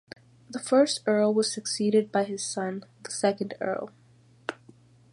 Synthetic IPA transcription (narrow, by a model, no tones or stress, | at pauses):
ðəfɜ˞stɜ˞lˠwʌz̥sɨksiɾɨd̚baɪɨz̥sʌ̃nðəsɛkɨ̃ndɜ̰˞lˠ